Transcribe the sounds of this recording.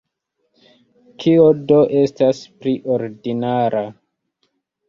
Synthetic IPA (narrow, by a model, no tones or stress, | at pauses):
kʰiodoʔe̞staspliʔoɾdinaɾa